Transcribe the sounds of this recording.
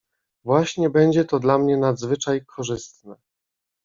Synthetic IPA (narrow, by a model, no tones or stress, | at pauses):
vwaɕɲɛbɛɲd͡ʑɛt̪ɔd̪lamɲɛnad̪zvɘt͡ʂajkʰɔʐɘst̪nɛ